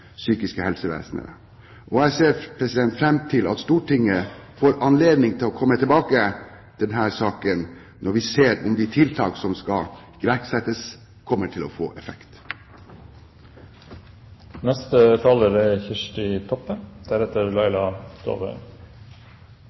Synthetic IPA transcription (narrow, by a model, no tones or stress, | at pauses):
syːkɪskəhɛlsəʋḛːsnə̰ɾ | ʔɔæseːɾpʰɾɛsɪd̪ɛnt̪fɾɛmt̪ʰɪlɑ̰t̪st̪uːʈʰɪŋːəfoːɾɑnleːd̪nɪŋt̪ʰɪlɔkʰɔmːət̪ʰɪlbɑːkə | d̪̥ɛnɦæːɾsɑːkən | nʔɔɾʋɪseːɾʊ̰md̪ɪt̪ʰɪlt̪ʰɑ̰ːksɔmskɑ | ɡ̥ɾæɾksɛt̪əs | kʰɔmːəʈʰɪlɔfo̰ːʔɛfɛkt̪ | nɛst̪ət̪ʰɑːləɾɛçɪʂʈɪt̪ʰɔpːənd̪̥æɾɛt̪əɾlɑɪlɑt̪ʰo̰ːʁœ̰